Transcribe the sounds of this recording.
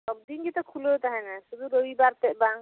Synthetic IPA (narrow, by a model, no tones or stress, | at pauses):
ɔb̚d̪inɡit̪ɔkʰulot̪aɦɛnasud̪uɾowibaɾt̪ɛʔbaŋ